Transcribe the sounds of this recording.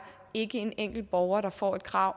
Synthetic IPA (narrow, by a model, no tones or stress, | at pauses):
e̝ɡ̥əe̝neŋ̰ɡ̥l̩b̥ɒʊɐɾ̥ɑ̈fɒ̰ːe̝d̥kʰʁɑ̈ʊ̰